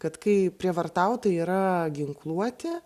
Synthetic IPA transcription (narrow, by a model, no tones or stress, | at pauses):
kɐt̪kɐɪpʲɾʲiɛʋɐrt̪ɐʊt̪ɐiːɾɐɡʲɪŋklˠuɔt̪ʲɪ